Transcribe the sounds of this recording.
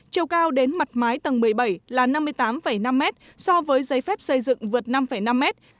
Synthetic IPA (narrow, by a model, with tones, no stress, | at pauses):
t͡ɕi˧əwkaː˧wɗe˨˦nma˨˩t̚maː˨˦jt̪ə˨˩nmɨ˨˩əjɓa˧˩jlaː˨˩na˧mːɨ˧əjt̪aː˨˦mfə˧˩jna˧mːɛ˦˥t̚ | sɔ˧vəː˨˦jzə˨˦jfɛ˦˥p̚sə˧jzɨ̰˧˨ŋvɨ˨˩ət̚na˧mfə˧˩jna˧mːɛ˦˥t̚